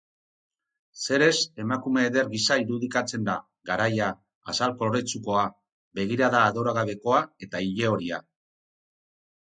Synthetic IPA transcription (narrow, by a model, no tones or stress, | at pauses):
se̞ɾe̞se̞makume̞ːðe̞ɾɣisaiɾuðikat͡se̞nd̪a | ɣaɾajaː | salko̞loɾet͡suko̞a | be̞ɣ̞iɾaðaːðo̞ɾaɣaβe̞ko̞ae̞t̪aiʎe̞o̞ɾia